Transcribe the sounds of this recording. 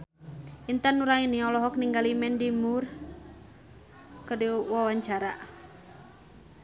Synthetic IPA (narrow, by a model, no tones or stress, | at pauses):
ʔint̪anuɾainiɔlɔɦɔk̚niŋɡalimɛndimur | kədewawaɲt͡ʃaɾa